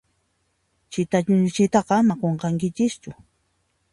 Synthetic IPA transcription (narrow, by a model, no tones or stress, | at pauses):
t͡ʃɪt̪at͡ʃʊnt͡ʃɪt̪ɑqɑmaqoɴqɑŋkɪt͡ʃɪst͡ʃʊ